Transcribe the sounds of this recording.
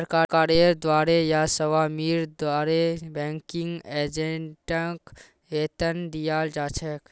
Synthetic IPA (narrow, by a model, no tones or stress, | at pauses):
pɾkakaɾeɾd̪waɾejasəʋamiɾd̪waɾebɛ̃ŋkiŋɡed͡ʒeɳʈək | et̪ənd̪ijald͡ʒat͡ʃʰɛk